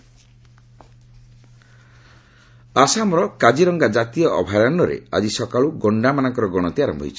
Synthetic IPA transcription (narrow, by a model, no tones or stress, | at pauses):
asamɔɾɔkad͡ʒiɾɔŋɡad͡ʒat̪iɔʔɔbʱaɾanɖɔɾḛa̰d͡ʒisɔkaɭuɡɔɳɖamanaŋkɔɾɔɡɔɽ̃ɔt̪iaɾɔmbʱɔɦjt͡ʃʰɔ̥